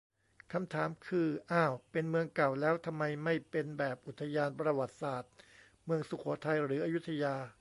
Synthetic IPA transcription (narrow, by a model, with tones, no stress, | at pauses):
kʰa˧mt̪ʰaː˩˦mkʰɯː˧ʔaː˥˩wpe˧nmɯ˧əŋka˨˩wlɛː˦˥wt̪ʰa˧mːa˧jma˥˩jpe˧nbɛː˨˩p̚ʔu˨˩t̪ʰːa˧jaː˧npɾa˧wa˨˩t̪̚saː˨˩t̪̚ | mɯ˧əŋsu˨˩kʰɔː˩˦t̪ʰa˧jɾɯː˩˦ʔaː˧ju˦˥t̪ʰa˧jaː˧